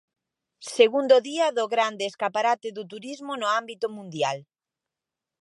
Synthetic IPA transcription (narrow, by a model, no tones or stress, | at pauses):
seɣund̪oðiɐðʊɣɾand̪ɪːskapaɾat̪ɪðʊt̪̬uɾizmʊnʊambit̪ʊmũnd̪jal